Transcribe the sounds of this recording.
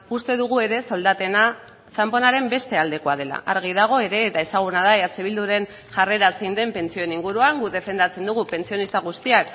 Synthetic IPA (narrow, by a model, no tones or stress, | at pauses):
ust̪e̞ðuɣ̞ue̞ɾe̞so̞ld̪at̪e̞na | t͡ʃampo̞naɾe̞mbe̞st̪e̞ald̪e̞ko̞að̞e̞la̰ʔa̰ɾɣ̞ið̞aɣ̞o̞e̞ɾe̞ːt̪ae̞saɣ̞unaðaeaseβ̞ild̪uɾe̞n | ʝare̞ɾaseind̪e̞mpe̞nt͡sio̞eniŋɡuɾuaŋɡuðe̞fe̞nd̪at͡se̞nd̪uɣupe̞nt͡sio̞nist̪aɣ̞ust̪iak